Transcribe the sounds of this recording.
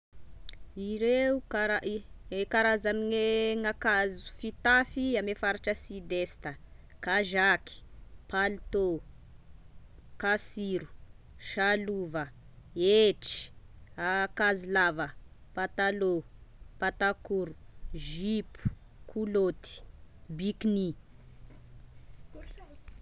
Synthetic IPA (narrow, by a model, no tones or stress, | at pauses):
iɾeukaɾakaɾazamiŋeŋakazu̥fit̪afiamefaɾiʈ͡ʂəsid̪est̪əkaʒaki̥palit̪o | kasiɾu̥ | ʃaluvə | eʈ͡ʂi̥akazilavəpat̪alopat̪akuɾuʒipu̥ | kʰulot̪i̥bikni